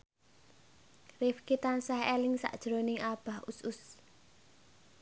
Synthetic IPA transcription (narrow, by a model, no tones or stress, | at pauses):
rifkit̪ansahelɪŋsa̰ʔd̥ʒ̥ɾonɪŋʔab̥a̤husʊs